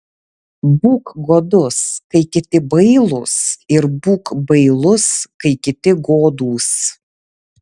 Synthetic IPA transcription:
buːkɡoːd̪ʊskɐɪkʲɪt̪ʲɪbɐɪlˠʊsɪɾbuːkbɐɪlˠʊskɐɪkʲɪt̪ʲɪɡoːd̪uːs

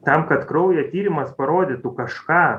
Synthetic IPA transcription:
t̪ɐmkɐt̪kɾɐʊjɛt̪ʲiːɾʲɪmɐspɐɾoːd̪ʲɪt̪ʊkɐʃkɑː

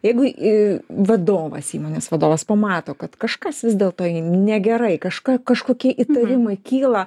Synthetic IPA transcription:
jɛɪɡʊ | ʋɐd̪oːʋɐ̰siːmoːnʲeːsʋɐd̪oːʋɐspɐmɑːt̪oːkɐt̪kɐʃkɐsʋʲɪzʲd̪ʲeːlˠt̪oːjnʲɛɡʲɛɾɐɪkɐʃkɑkɐʃkoːkʲiɛʔit̪ɐɾʲɪmɐɪkʲiːlˠɐ

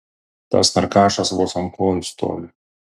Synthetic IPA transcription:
t̪ɐ̰snɐɾkɑːʃɐsʋɔsɐmpɔːlʲst̪o̰ːlʲ

